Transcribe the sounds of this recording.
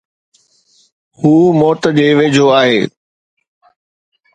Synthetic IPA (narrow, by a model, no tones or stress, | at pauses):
huːmɔːt̪əd͡ʑeːʋeːd͡ʑʱoaːɦeː